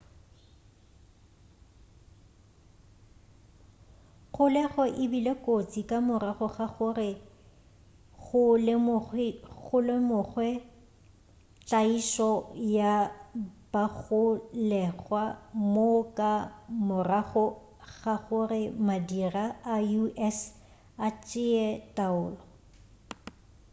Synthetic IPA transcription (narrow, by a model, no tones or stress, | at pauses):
χʊlɛɣɔʔɪbilekʼot͡sʼikʼamʊraɣɔɣaɣʊrɪ | ɣʊlɪmʊɣʊlemʊɣwɛ | t͡ɬʼaiʃɔja | b̥aɣʊlɛɣwamokʼamʊraχɔ | ɣaɣʊrɪmadiraajuɛs | at͡ʃʼɪɛtʼaʊːlɔ